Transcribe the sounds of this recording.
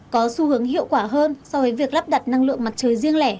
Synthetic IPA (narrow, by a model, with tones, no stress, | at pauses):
kɔ˨˦su˧hɨ˨˦əŋɦḭ˧˨əwkwaː˧˩ɦəː˧nsɔ˧vəː˨˦jvi˨˩ək̚la˦˥p̚ɗa˨˩t̚na˧ŋlɨ̰˧˨əŋma˨˩t̚t͡ɕəː˨˩jzi˧əŋlɛ˧˩